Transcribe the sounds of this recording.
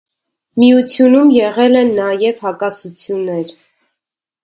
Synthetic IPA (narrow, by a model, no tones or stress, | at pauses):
miut͡sʰjunumjɛʁɛlɛnːɑjɛvhɑkɑsut͡sʰjunːɛɾ